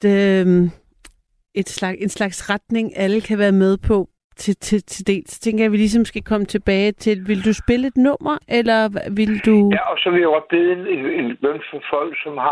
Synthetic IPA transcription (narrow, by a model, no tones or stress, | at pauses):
m | e̝d̥slɑ̈ɡ̥e̝nslɑ̈ɡ̥sʁad̥ne̝ŋʔæləkʰæʋæːɐmeð̞ˠpʰɒ̽ | t͡sʰe̝t͡sʰe̝t͡sʰe̝d̥e̝̰ːlsɒ̽t͡sʰeŋɡ̥ɐjɑʋilis̬ɒmːsɡ̥ækʰɒ̽mət͡sʰe̝b̥ɛːɪt͡sʰe̝lʋe̝ld̥usb̥e̝ləe̝d̥nɔ̽m̰ʔɐʔelɐʋild̥uæʔɒsɒʋiɑb̥eð̩ˠenene̝nbønfɒfɒ̽l̰ɡ̥sɒmhɑ